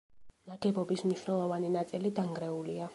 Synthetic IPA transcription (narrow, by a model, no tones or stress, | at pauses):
naɡɛbɔbismniʃwnɛlˠɔvaninat̪sʼilid̪aŋɡɾɛulia